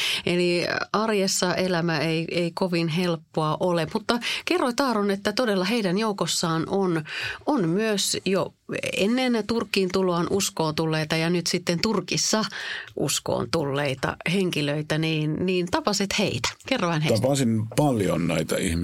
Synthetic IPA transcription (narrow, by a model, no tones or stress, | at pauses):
eliʔɑrjesːɑʔelæmæeieikoʋinɦelpːoɑʔolemmut̪ːɑkerːoit̪ɑːɾonet̪ːæt̪odelːɑɦeidænjoukosːɑːnʔononmyøsjoḛnːent̪urkːiːnt̪uloɑnʔuskoːnt̪ulːeit̪ɑjɑnyt̪sit̪ːent̪urkisːɑʔṵsko̰ːnt̪ulːeit̪ɑ̰heŋkiløit̪æniːnniːnt̪ɑpɑset̪heit̪æ̥kerːoʋænhet̪ɑpɑsinpɑljo̰nnæit̪ɑḭhm